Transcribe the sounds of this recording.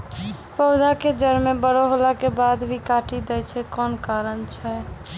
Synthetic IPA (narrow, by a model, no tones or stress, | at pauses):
pəʊd̪ʱaked͡ʒəɾmebəɽoɦolakebad̪bʱikaʈid̪ɛjt͡ʃʰɛkɔnkaɾənt͡ʃʰɛ